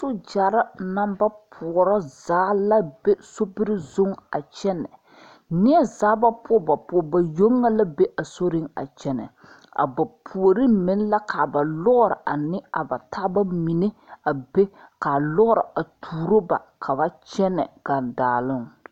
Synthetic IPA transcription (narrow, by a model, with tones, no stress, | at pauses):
sʊ˦d͡ʒa˨ɾa˦na˦mba˦pʰʊ˨ɾɔ˦zaː˨˦la˦be˦so˦bɪ˦ɾɪ˦zʊ˦ŋa̰˨t͡ʃɛ˦nːɛ̰˨ | nɪ˦ɛ˦zaː˦ba˦pʰʊ˦ba˨pʊ˨˦˨ba˨jo˦ŋːa˦la˦be˦ʔa˨so˦ɾɪ˦ŋa̰˨t͡ʃɛ˨nɛ̰˨ | a̰˨ba˨pʰu˨o˨ɾi˦mɪ˨˦n˦la˦kʰa˨ba˨lɔ˦ɾɪ˨ʔa˨nɪ˦a̰˨ba˨tʰa˦ba˦mi˨ne˦a˨be˦ka˨lɔ˦ɾɪ˨a˨tʰuː˨ɾo˦ba̰˨kʰa˨ba˦t͡ʃɛ˦nɛ̰˨ɡ̥a˨ndaː˨lɪ˦˨ŋ